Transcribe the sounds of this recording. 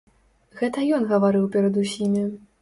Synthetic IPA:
ɣɛt̪ɐjɔnɣɐvaɾɨwpʲɛɾɐd̪usʲimʲi

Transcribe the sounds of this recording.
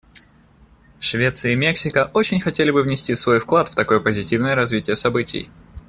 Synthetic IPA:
ʂvʲe̞t̪sɨəimʲeksʲɪkəʔo̞t͡ɕɪnʲxɐtʲelʲɪbɨvnʲɪsʲtʲisvo̞jfklˠat̪ft̪ɐko̞jəpəzʲɪtʲivnəjəɾɐzvʲitʲɪjəsɐbɨtʲɪ̰j

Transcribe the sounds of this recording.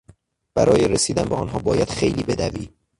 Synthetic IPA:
b̥æɾɒːjeɾesiːd̪ænbeɒːnɦɒːbɒːjæd̪̥xe̞jliːbe̞d̪æviː

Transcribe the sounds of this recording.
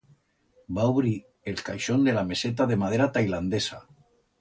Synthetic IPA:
bauβɾi | elka̰jʃo̞nd̪e̞lame̞se̞t̪̬aðe̞mað̞e̞ɾat̪ajland̪e̞sa

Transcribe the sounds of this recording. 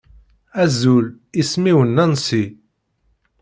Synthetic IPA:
æzul | ismiwənːænsi

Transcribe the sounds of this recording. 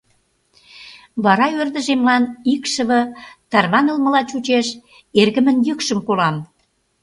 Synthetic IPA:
βɑɾɑørd̪ə̆ʒemlɑnikʃə̆βɤ̆t̪ɑrβɑnəlmə̆lɑt͡ɕut͡ɕeʃ | erɣə̆mə̆njəkʃəmkolɑm

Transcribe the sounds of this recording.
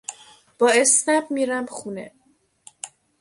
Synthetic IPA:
b̥ɒːe̞snæbmiːɾæmxuːnḛ

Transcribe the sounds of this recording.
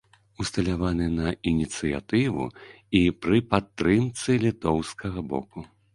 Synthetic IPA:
ust̪ɐlʲavanɨnɐinʲit̪sɨja̰t̪ɨvṵ | ipɾɨpat̪ːɾɨmt̪sɨlʲit̪ɔwskɐɣɐbɔ̰ku

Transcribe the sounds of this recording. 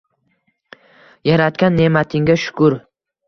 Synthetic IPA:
jaɾat̪̚kʲanːe̞mat̪ʰɪŋɡʲaʃʊ̥kʊɾ

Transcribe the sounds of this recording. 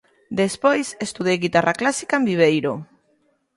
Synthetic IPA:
d̪espojsest̪uðejɣit̪araklasi̥kaembiβ̞ejɾo

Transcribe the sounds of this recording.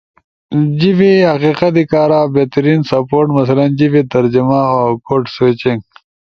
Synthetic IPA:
d͡ʑivihɐqiːqɐt̪ikaːɾaːbeːt̪ɐɾiːnsɐpoːɾʈmɐsɐlɐnd͡ʑivit̪ɐɾd͡ʑimaoːkoːʈswet͡ɕiŋɡ

